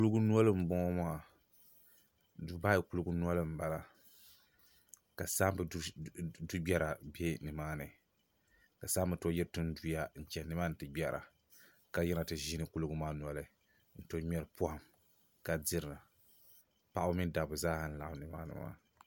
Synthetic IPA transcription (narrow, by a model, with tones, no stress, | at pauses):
ku˦lɡu˦n˦ɔ˦lɨ˦m̩˦bɔ˦ŋɔ˦maː˦˨ | du˦ba˦i˨ku˦lu˦ɡu˦nu˦ɔ˦lɨ˦m̩˦ba˨la˨ | ka˨saː˦mbdu˦bʲɛ˦ɾa˨be˦nɨ˨maː˦nɨ˨ | ka˨saː˦m˦bɨ˨˦to˦jɛ˦ɾtu˦n˦du˦ja˦n̩˨t͡ʃɛ˨nɨ˦ma˦n̩˨tɨ˨ɡ͡bʲɛ˨ɾa̰˨ | ka˦jɛ˦na˨tɨ˨ʒi˦nɨ˨ku˦lu˦ɡu˦maː˦nu˨ɔ˨˦lɨ˨ | n̩˨to˦ɲɛ˦ɾɨ˦pu˦ha˨m | ka˨dɪ˦ɾɨ˨ɨ˨ | pa˦ʔa˦mi˦n˦da˨bʊ˨zaː˦ha˨n̩˦la˨a˨nɨ˨ma̰ː˦nɨ̰˨ma̰ː˦